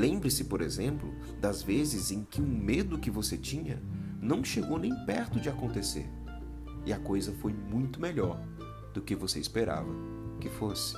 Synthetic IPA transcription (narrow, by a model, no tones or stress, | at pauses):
lẽmbɾɪsɪpoɾezẽmplʊ̰ | d̪ɐzvezɪzẽkɪũmed̪ʊkɪvoset͡ʃĩɲɐ | nɐ̃w̃ʃeɡownẽj̃pɛɾt̪ʊd͡ʒɪakõnt̪esḛɾ | ɪɐkojzɐfojmũj̃t̪ʊmeʎɔɾ | d̪̥ʊkɪvoseispeɾa̰vɐ | kɪfosɪ̥